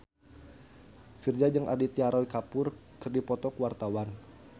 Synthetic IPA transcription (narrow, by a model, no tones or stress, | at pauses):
fird͡ʒad͡ʒəŋʔa̰dit̪iaɾɔjkapʊrkɨrdipɔt̪ɔkəwart̪awan